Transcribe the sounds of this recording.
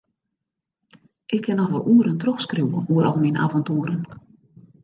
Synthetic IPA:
ʔɪkʰːɪnɔvə̰lˠʔuəɾəntrɔxskruwəuəɾʔɔlˠmina̰vɔntuːəɾən

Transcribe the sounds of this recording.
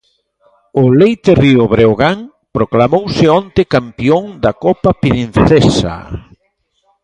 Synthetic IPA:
ʊlejt̪eriʊβɾeoɣaŋ | pɾoklamowsɪɔnt̪ɪkampjoŋd̪akɔpapɾin̟θesa̰

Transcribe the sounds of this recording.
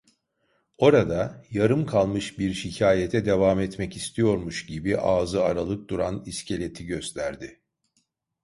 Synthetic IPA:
o̞ɾad̪ajaɾɯmkʰalˠmɯʃbiɾʃicʰaːjet̪ʰɛd̪e̞vaːmɛt̪mɛcist̪ʰijo̞ɾmuʃɟibiʔaːzɯaɾalˠɯk̚d̪uɾaniscʰe̞lʲe̞t̪ʰiɟøst̪ʰæɾd̪ɪ

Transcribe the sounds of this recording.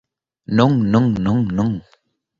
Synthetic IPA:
nʊŋnʊŋnʊŋnʊŋ

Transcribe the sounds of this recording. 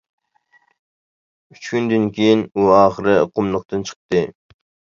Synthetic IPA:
yt͡ʃkʲynd̪ɨnkʲʰejinuɑːχəɾɨqʰʊmlˠəq̚t̪ɨnt͡ʃʰə̥χ̚t̪ɨ

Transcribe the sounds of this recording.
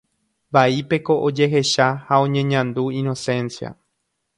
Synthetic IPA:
baipe̞ko̞ʔod͡ʒe̞ɦe̞ʃahaõ̞ɲẽ̞ɲãnd̪uĩno̞sẽ̞nsja̰

